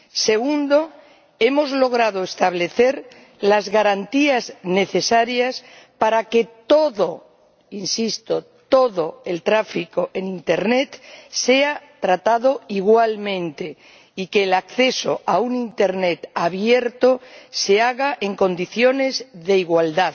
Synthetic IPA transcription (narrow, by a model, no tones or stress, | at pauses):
se̞ɣund̪o̞ | e̞mo̞zlo̞ɣ̞ɾað̞oest̪aβ̞le̞θe̞ɾ | lazɣaɾant̪iazne̞θe̞saɾjas | paɾake̞t̪o̞ðo | insist̪ot̪o̞ðoe̞lt̪ɾafikoʔenint̪e̞ɾne̞t̪se̞at̪ɾat̪aðoiɣwalmẽ̞nt̪e̞ | ike̞ːlakθe̞so̰aunint̪e̞ɾnet̪aβje̞ɾt̪ose̞aɣaʔe̞ŋko̞nd̪iθjo̞ne̞zðe̞iɣwald̪að